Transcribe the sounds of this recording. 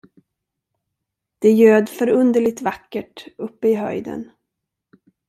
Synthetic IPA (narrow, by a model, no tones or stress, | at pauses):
d̪̥ɛjøːd̪fœɾɵnd̪əɭɪɡ̚t̪vakːəʈɵpːəɪɦœ̰jd̪ə̰n